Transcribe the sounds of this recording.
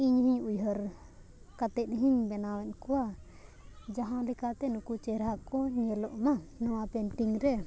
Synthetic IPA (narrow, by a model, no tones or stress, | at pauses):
iɲɦĩɲujɦəɾ | kat̪ɛt̪̚ɦiɲbɛnawɛn̚kuwa | d͡ʒaɦãlikat̪ɛnukut͡ʃɛɾɦakɔɲɛlɔʔmanɔwapɛnʈiŋɾɛ